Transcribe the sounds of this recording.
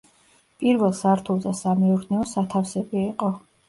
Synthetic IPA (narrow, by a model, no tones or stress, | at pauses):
pʼiɾvɛlˠsaɾt̪ʰulˠd̪asamɛuɾnɛɔsat̪ʰafsɛbiːqʼɔ